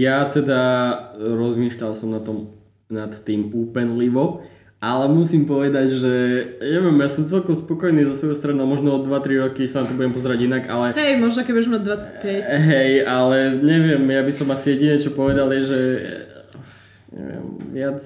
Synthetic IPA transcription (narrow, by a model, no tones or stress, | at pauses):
jat̪ɛd̪a | ɾɔzmiːʃʎalsɔmnat̪ɔm | nat̪ːiːmuːpɛnliʋɔ | ʔalɛmusiːmpɔʋɛd̪aɟʒɛɲɛʋɛmjasɔmt͡sɛlkɔmspɔkɔjniːzɔsʋɔjɛst̪ɾɛnomɔʒnɔɔd̪ʋat̪ɾiɾɔkisanat̪ɔbuɟɛmpɔzɛɾaɟinaɡalɛɦɛjmɔʒnɔkɛbuɛʒmad̚d̪ʋat͡sḁc̚pɛcɦɛjʔalɛɲɛʋɪɛmjabisɔmasijɛɟiɲɛt͡ʃɔpɔʋɛd̪aljɛʒɛ | ɲɛ̰ʋɪɛ̰mʋɪat͡s